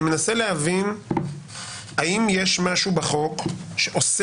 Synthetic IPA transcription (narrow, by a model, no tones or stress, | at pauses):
me̞naselehavin | aʔimjeʃmaʃubeχo̞kʃeʔos